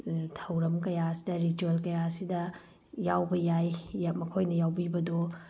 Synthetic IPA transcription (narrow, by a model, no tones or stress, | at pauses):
tʰɐwɾɐmkɐjaɐsi̥dɐɾid͡ʒuelkɐjaɐsidɐ | jawbɐjajamɐkʰojnɐjawbibɐdo